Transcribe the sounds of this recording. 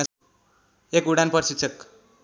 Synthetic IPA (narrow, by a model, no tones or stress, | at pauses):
ekuɽanpʌrsit͡sʰʌk